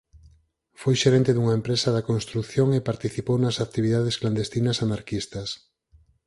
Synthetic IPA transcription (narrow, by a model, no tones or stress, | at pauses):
fojʃeɾɛent̪eðuŋɐempɾesɐðɐkõnst̪ɾukθjoŋepaɾt̪iθipownɐsakt̪iβiðað̞eskland̪est̪inɐsanaɾkist̪ɐs